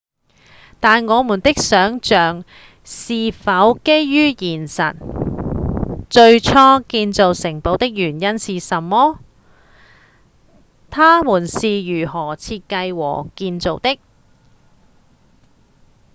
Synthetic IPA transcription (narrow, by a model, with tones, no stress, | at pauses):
t̪aː˨nŋɔː˨˧muː˨˩nt̪ɪ˥k̚sœː˨˥ŋt͡ʃœː˨ŋ | siː˨fɐ˨˥wke˥jːyː˥jiː˨˩nsɐ̰˨˩n | t͡ʃɵ˧ɥt͡ʃʰɔː˥kiː˧nt͡so˨wsɪ˨˩ŋpo˨˥wt̪ɪ˥k̚jyː˨˩njɐ˥nsiː˨sɐ˨˩mːɔː˥ | t̪ʰaː˥muː˨˩nsiː˨jyː˨˩hɔː˨˩t͡sʰiː˧t̚kɐ˧jwɔ̰ː˨˩kiː˧nt͡so˨˧wt̪ɪ˥k̚